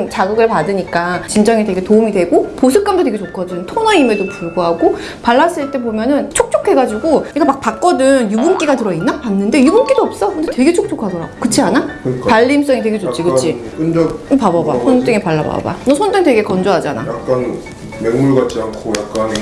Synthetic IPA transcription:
nt͡ɕaɡɯɡɯɭpadɯɲik͈at͡ɕind͡ʑʌŋitwe̞ɡe̞toumidwe̞ɡopos̬ʰɯk͈̚amdot̬e̞ɡe̞t͡ɕokʰʌd͡ʑɯntʰonaime̞dopuɭɡoɦaɡo | paɭːas͈ɯɭt͈e̞bomjʌnɯnt͡ɕʰok̚t͡ɕ͈ʰokʰe̞ɡad͡ʑiɡoɲik͈amak̚pak͈̚ʌdɯnjubumk͈iɡatɯɾʌinːapanːɯnde̞jubunk͈idoʌp̚s͈ʌkʰɯndetwe̞ɡe̞t͡ɕʰok̚t͡ɕ͈ʰokʰadʌɾaɡokɯt͡ɕʰianakɯk͈apaʎːims͈ʌŋitwe̞ɡet͡ɕot͡ɕʰikɯt͡ɕʰik͈ɯnd͡ʑʌpababa̰sʰont͈ɯŋipaɭːaba̰ba̰nʌsʰont͈ɯŋtwe̞ɡe̞kʌnd͡ʑoɦad͡ʑana̰jak͈an | meŋmuɭɡat̚t͡ɕ͈iankʰojak̚k͈an

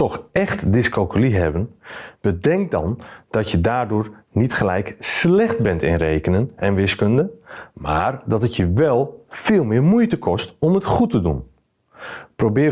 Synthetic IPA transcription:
tɔxɛxtdɪskɔlˠkyliɦɛbənb̥ədɛŋk̚dɔ̰nd̥ɔtjədaːrdʊːɹnitχəlɛjkslɛχt̚bɛntɪ̰nrejkənənɛnʋɪskøndəma̰ːrdɑtətjəʋɛlˠfɪːlˠmɪːɹmujtəkʰɔstɔmətχutədṵn | prowbɪː

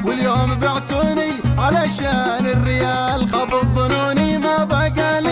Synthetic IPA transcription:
wɪljoːmbɪʕt̪uːniʕalaʃaːnɪrːɪjaːlɣɑbɨðˤɨnuːnimabaɡali

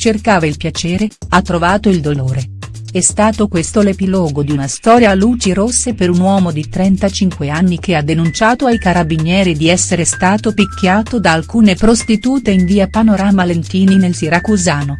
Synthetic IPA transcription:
t͡ʃerkaːvailpjat͡ʃɛːɾeat̪ːɾovaːt̪oild̪oloːɾe | ɛst̪aːt̪okwest̪olepilɔːɡod̪iunast̪ɔːɾjaluːt͡ʃiɾosːepeɾunwɔːmod̪it̪ɾɛnt̪at͡ʃiŋkweanːik̟ead̪ːenunt͡ʃaːt̪oajkaɾabiɲjɛːɾid̪iɛsːeɾest̪aːt̪opikʲːjaːt̪od̪aːlkuːnepɾost̪it̪uːt̪eiɱviːapanoɾaːmalent̪iːninelsiɾakuzaːno

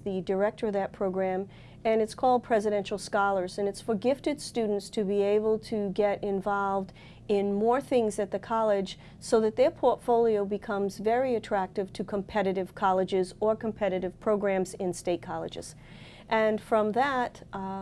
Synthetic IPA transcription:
ðɨdə˞ɛk̚tə˞ʌvðɨt̚pʰɹ̥oʊɡɹæ̃m | ɨ̃nɨtskʰɔlˠd̚pʰɹ̥ɛzɨɾɛ̃nʃl̩ˠskɑlˠə˞zɨ̃nɨtsfə˞ɡɪftɨd̥stʉdⁿn̩tstʰɨbieɪbəl̩ˠtʰɨɡɛɾʔɪ̃ɱvɑlˠvd | ɪ̃nmɔɹθɪ̃ŋzɨt̪̚ðɨkʰɑlˠɪd̥ʒ̥ | soʊðɨt̪̚ðə˞pʰɔɹtfoʊlˠioʊbɨkʰʌ̃mzvɛɹiɨtʰɹ̥æk̚tɨv̥tʰɨkʰə̃mpʰɛɾɨɾɨv̥kʰɑlˠɨd͡ʒɪzə˞kʰm̩pʰɛɾɨɾɨv̥pʰɹ̥oʊɡɹæ̃mzɪ̃nsteɪt̚kʰɑlˠɨ̰d͡ʒɨ̰z̥ | ʔɨ̃nfɹʌ̃mðət

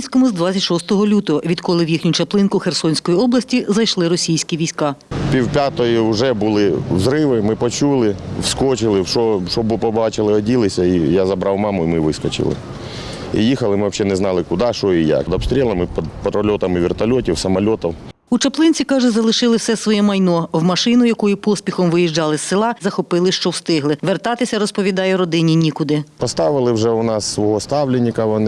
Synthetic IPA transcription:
sʲkɔmʊzd̪ʋat͡sʲɐtʲʃɔst̪ɔɦɔlʲut̪ɔɦɔʋʲid̪kɔlˠɪwjixnʲʊt͡ʃɐplˠɪnkʊxersɔnʲsʲkɔjiɔblˠɐsʲtʲizɐjʃlˠɪɾɔsʲijsʲkʲiʋʲijsʲkɑpʲiwpʲat̪ɔjiʊʒɛbʊlˠɪwzɾɪʋɪmɪpɔt͡ʃulˠɪwskɔt͡ʃɪlˠɪwʃɔʃɔbpɔbɑt͡ʃɪlˠɪɔdʲilˠɪsʲɐijazɐbɾʔɑwmɑmʊimɪʋɪskɔt͡ʃɪ̰lˠɪ̰ | ḭjixɐlˠɪmɪʋɐpɕʲɛnɛznɑlˠɪkʊd̪ɑʃɔija̰kd̪ɐbst̪ɾʲɛlˠɐmɪpɐd̪pɐt̪ɾɔlʲɔt̪ɐmiʋʲɪrt̪ɐlʲɔtʲiwsɐmɐlʲot̪ɐw | ut͡ʃɐplˠɪnʲt͡sʲikɑʒʊzɐlˠɪʃɪlˠɪwsɛsʋɔjɛmɐjnɔwmɐʃɪnʊjɐkujʊpɔsʲpʲixɔmʋɪjiʒd͡ʒɑlˠɪsːɪlˠɑzɐxɔpɪlˠɪʃt͡ʃɔwst̪ɪɦlˠɪʋert̪ɑt̪ɪsʲɐɾɔspɔʋʲid̪ɑjɛɾɔd̪ɪnʲinʲikʊd̪ɪpɐst̪ɑʋɪlˠɪwʐɛʊnɑsːʋɔɦɔst̪ɑʋlʲɪnʲːikɐʋɔn

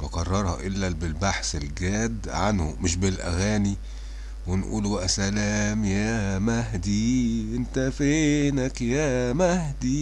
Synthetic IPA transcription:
fekɑrˤːɑɾˤhɑ̰ʔelːæbelbaħselɡæːd̪ʕanho̰meʃbelʔæ̰ɣæːni | wenʔṵːlbæʔæsælæːmjæmæɦd̪iʔent̪æfenækjæːmæhd̪i

